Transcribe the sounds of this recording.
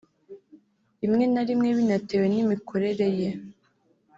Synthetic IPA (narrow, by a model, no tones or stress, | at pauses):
imŋe̞naɾimŋe̞βinatewe̞nimikʰo̞ɾe̞ɾe̞je